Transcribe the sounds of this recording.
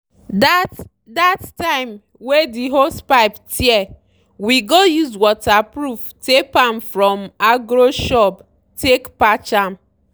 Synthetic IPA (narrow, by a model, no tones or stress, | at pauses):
dat | dattaɪm | wediɦospaɪptiɛ | wiɡojuzwɔtapɾuftepamfɾɔmaɡɾoʃɔp | tekpat͡ʃam̩